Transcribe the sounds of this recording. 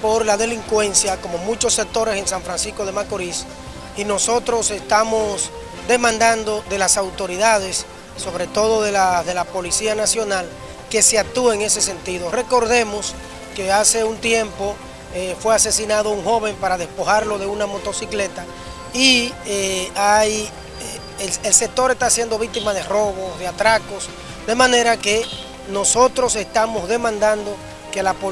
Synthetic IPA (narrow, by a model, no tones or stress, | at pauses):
po̞ɾlaðe̞liŋkwe̞nsjako̞mo̞mũt͡ʃo̞sːe̞k̚t̪o̞ɾe̞se̞nsaɱfɾansisko̞ðe̞makoɾis | inoso̞t̪ɾo̞se̞st̪amos | d̪e̞mãnd̪and̪o̞ðe̞lasawt̪o̞ɾiðað̞e̞sː | o̞βɾe̞t̪o̞ðo̞ðe̞laðelapo̞lisianasjo̞nal | ke̞seak̚t̪ueeŋe̞se̞se̞nt̪iðo̞re̞ko̞ɾðe̞mo̞s | ke̞ase̞unt̪je̞mpo̞ | efwe̞ase̞sinað̞ouŋxo̞βe̞mpaɾað̞e̞spo̞haɾlo̞ðe̞unamo̞t̪o̞sikle̞t̪a | ieaj | else̞k̚t̪o̞ɾe̞st̪asjend̪o̞βik̚t̪imaðe̞ro̞βo̞sðeat̪ɾako̞s | d̪e̞mãne̞ɾake̞ | no̞so̞t̪ɾo̞se̞st̪amo̞zðe̞mãnd̪and̪o̞ | ke̞lapo